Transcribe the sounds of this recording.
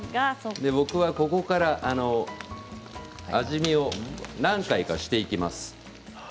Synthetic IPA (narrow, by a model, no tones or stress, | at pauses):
d̪e̞bo̞kɯ̟βako̞ko̞kaɾaʔano̞ | aʑimʲio̞nãŋkaikaɕi̥t̪e̞ikʲimasɨ̥